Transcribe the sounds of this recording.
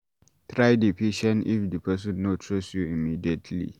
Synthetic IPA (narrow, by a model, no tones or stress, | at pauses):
tɹajdipiʃɔ̃nʔɪfdəpɛs̬ʊ̃nːotʰɹɔsjuimiːdiɛtʰlḭ